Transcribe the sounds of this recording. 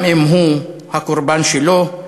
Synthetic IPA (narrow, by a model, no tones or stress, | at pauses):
em̩ɦuhakuɾbanʃilo